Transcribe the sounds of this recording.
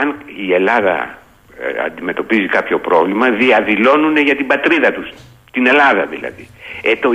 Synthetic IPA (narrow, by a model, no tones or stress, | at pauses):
ɐnie̞lɐðɐ̰ | ɐ̰nd̪ime̞t̪o̞pizikɐpço̞pɾo̞vlimɐðiɐðilo̞nune̞ʝɐt̪ibɐt̪ɾiðɐt̪us | t̪ine̞lɐðɐðilɐ̰ðied̪o